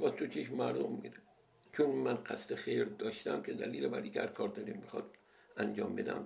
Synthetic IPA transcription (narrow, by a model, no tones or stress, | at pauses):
bɒːt̪ʰot͡ʃʰeʃmæɾd̪omːḭɾe | t͡ʃʰonmænɢæst̪exejɾd̪ɒːʃt̪æmkʲʰed̪æ̰liːlebæɾd̪iːkʲæɾkʰɒːɾd̪ɒɾimːixɒ̰d̪ | ʔænd͡ʒɒːmbe̞d̪æ̰m